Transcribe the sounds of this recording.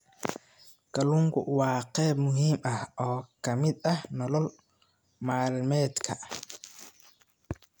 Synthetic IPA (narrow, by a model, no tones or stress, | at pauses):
ɡ̥ɐlʊŋkʰʊ̰wɑːqɛːbmʊɦiːmʔɐhɔːkʰɐmɪd̪ɐhnɔlɔl | maːlmɛːd̪kʰɐ